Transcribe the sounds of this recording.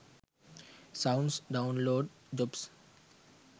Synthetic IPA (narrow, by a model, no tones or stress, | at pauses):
sãʊ̃ɳsɖãʊ̃nloːɖ | d͡ʒɔps